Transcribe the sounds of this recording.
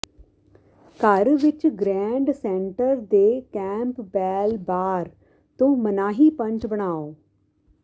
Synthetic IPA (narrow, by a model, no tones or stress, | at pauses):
kəɾʋɪt͡ʃɡɾɛ̃ːɳɖsɛ̃ɳʈəɾd̪eːkɛ̃ːmpbɛːlbaːɾ | t̪õːmənaːɦiːpə̃ɲt͡ʃbəɽ̃aːoː